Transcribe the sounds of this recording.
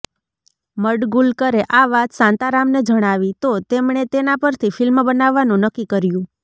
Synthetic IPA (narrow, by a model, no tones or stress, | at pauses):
məɖɡulkəɾeʔaʋat̪sãnt̪aɾamned͡ʒəɽ̃aʋit̪ot̪emɳet̪enapəɾt̪ʰifɪlmbənaʋːanũnəkːikəɾjũ